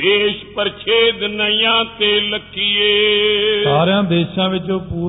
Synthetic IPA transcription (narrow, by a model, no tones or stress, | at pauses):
eːʃpəɾt͡ʃʰeːd̪nəɪjãːt̪eːləkʰːɪjeːsaːɾjãːd̪eːʃãːʋɪt͡ʃoːpuː